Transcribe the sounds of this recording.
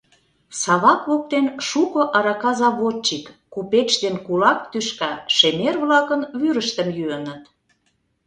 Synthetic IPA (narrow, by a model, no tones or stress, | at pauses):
sɑβɑkβok̚t̪enʃukŏʔɑɾɑkɑzɑβot̪t͡ɕikːupet͡ɕd̪enkulɑk̚t̪yʃkɑʃemerβlɑkə̆nβyɾəʃt̪ə̆mjyənə̆t̪